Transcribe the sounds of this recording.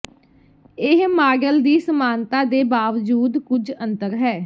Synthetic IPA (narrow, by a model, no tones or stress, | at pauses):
ɪɦmaːɡəld̪iːsəmaːnt̪ãːd̪eːbaːʋd͡ʒuːd̪kʊd͡ʒə̃nt̪əɾɦɛː